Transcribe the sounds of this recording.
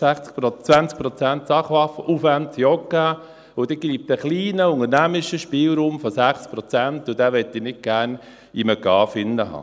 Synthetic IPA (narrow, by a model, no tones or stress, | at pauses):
æχt͡skt͡sʋænt͡sk̚pɾɔt͡sænt̪sɑχʋɑfəʔufʋæntjɔkːa | ʊd̥ɛɡ̥iːp̚t̪əχliːnəʊŋəɾnæmɪʃəʃpiːlɾuːmfɔsæχt͡spɾɔt͡sænt̪ʊd̥̪æːʋɛt̪ːinɪt̚ɡ̥æːɾn | iməkɑːfɪnːəhɑ̰ː